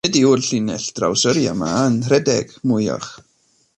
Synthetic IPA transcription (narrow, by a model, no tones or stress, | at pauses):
ɛdiʊlɬɪnɛɬd̥ra̰wsəɾja̰manrɛdɛ̰ɡ̥mʊjɔ̰χ